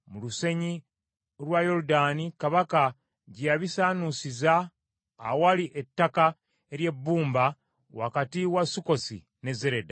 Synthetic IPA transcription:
muluse̞ɲi | ɾwajo̞ɾudanikaβaka | ɟijaβisaːnusizaː | waliʔetːaka | eɾje̞bːuːmba | wa̰katiwasuko̞sḭ | ne̞zeɾe̞da

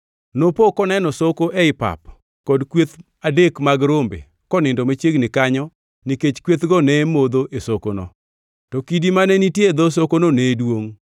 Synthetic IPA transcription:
nopokɔnɛnɔsokoʔɛɪpa̰p | kɔdkwet̪ | adekmaɡɾombḛ | kɔnɪndɔmet͡ʃjeɡnɪkaɲɔ | niket͡ʃkwet̪ɡɔnɛmod̪oʔesokono̰ | tɔkidimanɛnitjed̪os̬okononɛdwoŋ

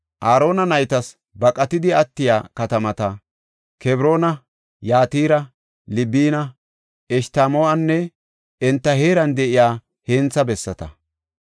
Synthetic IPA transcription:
ʔaːɾo̞ːnɐnɐjt̪ɐs | bɐkʼɐt̪ɪd̪ɪɐt̪ːɪja̰ːkɐt̪ɐmɐt̪ɐ | kɛbɾo̞ːnɐ | jaːt̪iːɾɐ | lɪbiːnɐ | ɛʃt̪aːmoːɐnːɛ | ɛnt̪ːɐheːɾɐnd̪ɛʔɪjaː | heːnt͡sːɐbɛsːɐt̪ɐ̰

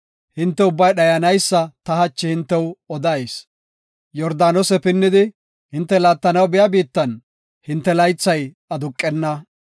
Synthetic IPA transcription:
hɪnt̪ːɛʊbːɐjɗɐjɐnɐjsːɐt̪ɐhɐt͡ʃːɪhɪnt̪ːɛwɔd̪ɐjs | jɔɾd̪aːnɔsɛpɪnːɪd̪ɪ | hɪnt̪ːɛlaːt̪ːɐnɐwbɛjɐbiːt̪ːɐn | hɪnt̪ːɛlɐjt͡sːɐj | ɐd̪ʊkʼːɛnːɐ

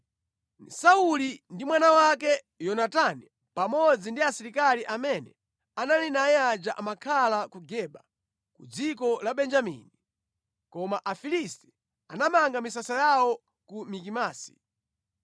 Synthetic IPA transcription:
nsaulindimwanawak̬ɛ | jɔnatani | pamɔd͡zindiasiɾikaliʔamɛnɛ | analinajɛad͡ʒaʔamakʰalakuɡɛɓa | kṵd͡zikɔlaɓɛnd͡ʒamḭni | kɔmaʔafilistɛ̥ | anamaŋɡamisasajawɔ | kumik̬imaːsi̥̰

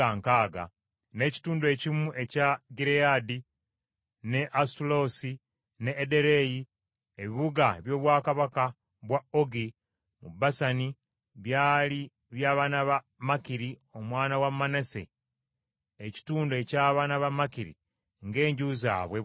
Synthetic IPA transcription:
aŋkaːɡa̰ | ne̞ːci̥tuːndwe̞cimuʔe̞caɡiɾeadi | neʔastulo̞ːsi | neːde̞ɾe̞ji | eβiβuɡaβjo̞ːβwaːkaβaka | βwaoɡi | mubasani | βjaːli | βjaːβaːnaβa | makiɾio̞mwaːnawamːanese̞̰ | eci̥tuːndoe̞caːβaːnaβamakiɾḭ | ŋɡe̞ːɲɟuza̰ːβwe

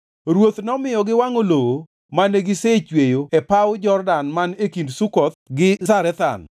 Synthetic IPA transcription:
ɾwot̪nɔmɪjɔɡɪwaŋolowo | maneɡɪset͡ʃwejoɛpawd͡ʒɔrdanmanekindsukɔt̪̚ɡɪsaɾɛt̪a̰n

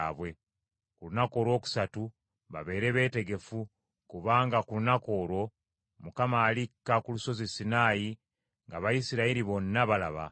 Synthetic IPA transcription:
βwe̞ | kulunako̞ːɾo̞ːku̥satu | βa̰βe̞ːɾe̞βe̞ːte̞ɡe̞fu | kuβaːŋɡakulunako̞ːɾo̞ | mukamaːlikːakuluso̞zisinaːji | ŋɡaβajisiɾaiɾiβo̞nːaβalaβa̰

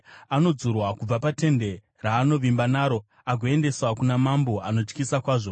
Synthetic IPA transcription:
ano̞d͡zurwakub͡vapate̞nde̞ | raːno̞ʋimbanaːɾo̞ | aɡʱoe̞nde̞swakunamambo̞ano̞t͡ʃkisakwaːʐo̞

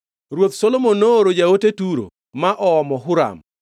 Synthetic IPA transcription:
ɾwot̪solomonːooɾod͡ʒaotetuɾo̰ | maʔɔɔmɔɦʊɾa̰m

